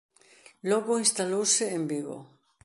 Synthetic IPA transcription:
lɔɣoinst̪alowseembiɣo̰

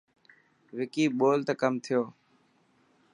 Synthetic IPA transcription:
ʋɪkiːɓoːlt̪əkəmt̪ʰɪjoː

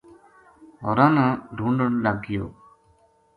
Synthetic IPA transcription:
ɔɾãːnãːɖʱũːɳɖəɳlaɡɪjoː

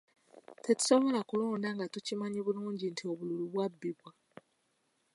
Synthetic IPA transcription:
te̞tu̥so̞βo̞lakulo̞ːndaŋɡatucimaɲiβuluːɲɟintʰio̞βululuβwabːiβwa

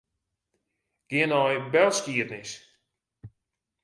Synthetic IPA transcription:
ɡ̥ɪənɔjbɛlˠskiətnɪs

